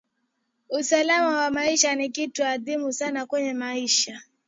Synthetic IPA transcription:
usalamawamaiʃanikituaðimusanakwɛɲɛmaiʃa

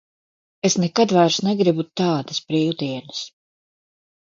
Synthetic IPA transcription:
esnɛkad̪vajɾsnɛɡɾibut̪ːaːd̪ɐsbɾiːlˠt̪iɛnɨs

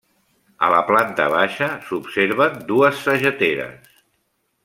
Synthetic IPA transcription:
ə̰ləplant̪ə̰β̞aʃəsupseɾβənd̪uəsːəʒət̪eɾə̰s

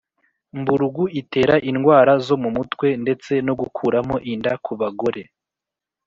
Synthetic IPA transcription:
mbuɾuɡuʔite̞ːɾaʔinɡwaːɾazo̞mumutwe̞nde̞t͡se̞no̞ɡukʰuːɾamo̞ʔindakʰuβaɡo̞ɾe̞

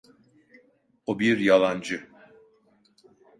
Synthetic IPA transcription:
obiɾjalˠand͡ʒɯ

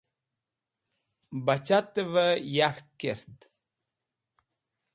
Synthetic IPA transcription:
bat͡ʃat̪əvəjaɾkeɾt̪

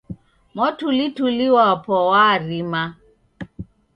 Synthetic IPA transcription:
mɔtʰulitʰuliwapʰɔwarima

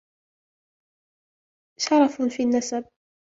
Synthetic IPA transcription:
ʃɑɾˤɑffiːnːasab̚

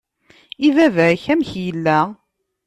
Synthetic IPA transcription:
ivævçæmçjəlːæ

